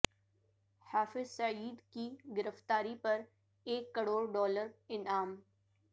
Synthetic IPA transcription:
haːfɪzsɐʕiːd̪kiɡɪɾəft̪aːɾipɐɾ | eːkːɐɽoːɾɖɔːləɾɪnaːm

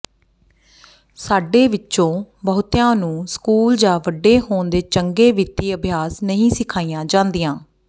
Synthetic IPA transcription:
saːɖeːʋɪt͡ʃːõːbəːt̪jãːnũːskuːld͡ʒaːʋəɖːeːɦoːnd̪eːt͡ʃəŋɡeːʋit̪iːəbʱjaːsnəɦĩːsɪkʰaːiːjãːd͡ʒãːnd̪ɪjãː

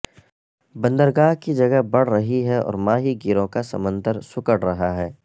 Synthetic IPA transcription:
bɐ̃nd̪əɾɡaːɦkid͡ʒɐɡəbɐɽ̤ɾɐɦiɦɛɔ̰ːɾmaːɦiɡɪɾõkasɐ̰mə̃nd̪əɾsʊkəɽɾɐɦaɦɛː

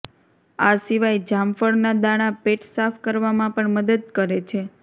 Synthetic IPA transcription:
asiʋajd͡ʒamfəɽnad̪aɽ̃apeʈsafʰkəɾʋamãpəɳməd̪əd̪̚kəɾet͡ʃʰe

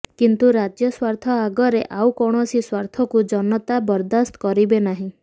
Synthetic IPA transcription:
kint̪uɾad͡ʒjɔswaɾt̪ʰɔaɡɔɾeʔawkɔɽ̃ɔsiswaɾt̪ʰɔkud͡ʒɔnɔt̪abɔɾd̪ast̪ɔkɔɾibenaɦĩ

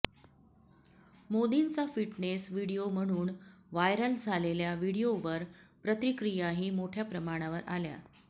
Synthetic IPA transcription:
mod̪int͡safiʈnesʋiɽijom̤əɽ̃uːnʋajɾəld͡zʱaleljaʋiɽijoʋəɾpɾət̪ɾikɾijaɦiːmoʈʰjapɾəmaɽ̃aʋəɾalja̰

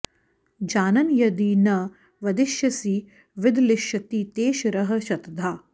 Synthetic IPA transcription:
d͡ʒaːnɐnjɐd̪iːnɐ | ʋɐd̪ɪʃjɐsiː | ʋɪd̪lɪʃjɐt̪iːt̪eːʃɐɾɐɦɐ̆ʃɐt̪ɐd̪ʱːaː

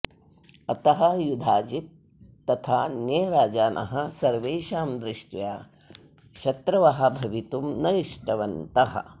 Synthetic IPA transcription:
ɐt̪ɐɦɐ̆jud̪ʱaːd͡ʒit̪̚ː | ɐt̪ʰaːnjeːɾaːd͡ʒaːnʔɐ̰ɦɐsɐɾʋeːʃaːmd̪ɾɪʂʈjaː | ʃɐt̪ɾɐʋɐɦɐ̆bʱɐʋit̪umnɐjiʂʈɐʋɐnt̪ɐɦɐ̰̆

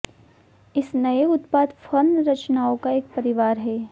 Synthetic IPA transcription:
ɪsnɐeʊt̪paːd̪fɐnɾɐt͡ʃnaːõkaeːk̚pɐɾɪʋaːɾɦɛː

